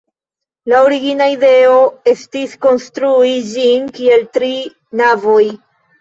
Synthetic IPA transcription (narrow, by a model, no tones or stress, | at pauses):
laoɾiɡinaide̞o̞e̞stisko̞nstɾuid͡ʒinkie̞ltɾi | navo̞j